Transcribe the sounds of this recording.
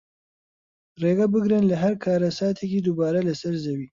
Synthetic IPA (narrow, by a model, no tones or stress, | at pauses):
ɾeɡabəɡɾənlaɦaɾkʰɑːɾasɑːt̪ʰeked̪ubɑːɾalasaɾzawi